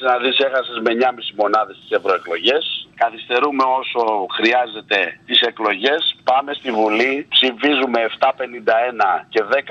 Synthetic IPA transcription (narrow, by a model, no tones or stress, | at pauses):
nɐðise̞xɐsezme̞ɲɐmisimo̞nɐðest̪ise̞vɾo̞e̞klo̞ʝe̞skɐθist̪e̞ɾume̞o̞so̞xɾiɐze̞t̪e̞t̪ise̞klo̞ʝe̞spɐme̞st̪ivulipsifizume̞ːft̪ɐpe̞nind̪ɐe̞nɐce̞ðe̞k